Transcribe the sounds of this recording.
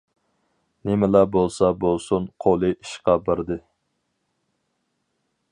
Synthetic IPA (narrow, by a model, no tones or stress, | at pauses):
nɪmɪlæbolˠsɑbolˠsunqʰolˠɨʔiʃqɑbəɾd̪ɨ